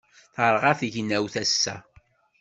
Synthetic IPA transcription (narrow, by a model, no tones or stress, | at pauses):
θəɾˤʁaθʝnæwθæsːæ̰